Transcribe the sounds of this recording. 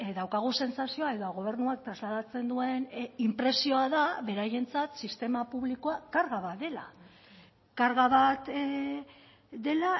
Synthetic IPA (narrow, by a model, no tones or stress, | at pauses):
d̪awkaɣ̞use̞nsasio̞ae̞ðoɣ̞o̞β̞e̞ɾnuak̚t̪ɾazlaðat͡se̞nd̪ue̞nimpɾe̞sio̞aðaβe̞ɾaje̞nt͡sat̪sist̪e̞mapuβlikoakaɾɣaβat̪d̪e̞la | kaɾɣaβat̪ | d̪e̞la